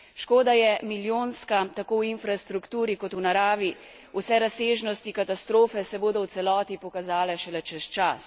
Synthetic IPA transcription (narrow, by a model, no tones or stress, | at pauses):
ʃkoːd̪ajɛmiljoːnskat̪akowinfɾast̪ɾukt̪uːɾikɔt̪unaɾaːʋi | usɛɾaseːʒnɔst̪ikat̪ast̪ɾoːfɛsɛboːd̪ɔwt̪sɛlɔːt̪ipɔkazaːlɛʃɛlɛt͡ʃɛst͡ʃas